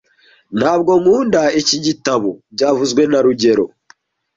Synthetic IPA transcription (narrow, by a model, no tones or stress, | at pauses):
n̥haːb̚ɡo̞ŋuːndaiciɟitaβoɟaːvuzɡwe̞naɾuɟe̞ɾo̞̰